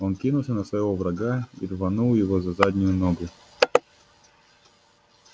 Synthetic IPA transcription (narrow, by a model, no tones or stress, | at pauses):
onkʲinʊlˠsʲənəsvɐjɪvovɾɐɡaḭd̪vɐnulˠjɪvozɐzadʲnʲʊjʊnoɡʊ